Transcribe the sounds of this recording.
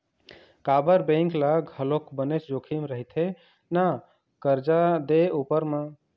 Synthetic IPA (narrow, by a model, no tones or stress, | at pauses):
kabəɾbẽŋklaɡʱəlokbənet͡ʃd͡ʒokʰimɾəɦit̪ʰe | na | kəɾd͡ʒad̪eupəɾme